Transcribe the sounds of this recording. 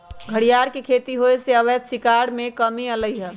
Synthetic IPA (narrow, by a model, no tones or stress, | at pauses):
ɡʱəɽijaɾkekʰeːt̪iɦoeseəʋɛt̪sikaɽmẽkəmiələiɦɛ